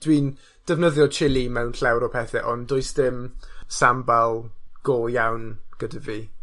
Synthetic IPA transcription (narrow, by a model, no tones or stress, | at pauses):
d̥wiːn | d̥əvnəðjɔt͡ʃʰɪlˠimɛwnɬɛwɾɔpʰɛθɛʔɔndʊɨsdɪmsambalˠɡ̥oːjawnɡ̥ədəviː